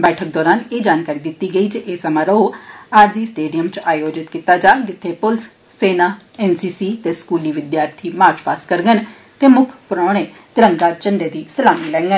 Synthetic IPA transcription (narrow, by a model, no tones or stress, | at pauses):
bɛːʈʰək̚d̪ɔːɾaːneːd͡ʒaːnkaːɾid̪ɪt̪ːiɡəiːt͡ʃʔeːsəmãːɾəɦoaːɾziːsʈeːɖijəmt͡ʃaːjoːd͡ʒɪt̪kit̪aːd͡ʒaːɡɪt̪ʰːepʊls | seːnaːɛːnsiːsiːt̪eːskuːliːʋɪd̪jaːɾt̪ʰiːmaːt͡ʃpaːskəɾɡən | t̪eːmʊkʰpɾɔ̃ːɽ̃eː | t̪ɪɾə̃ŋɡaːt͡ʃəɳɖeːd̪iːsəlaːmiːlɛ̃ːŋɡən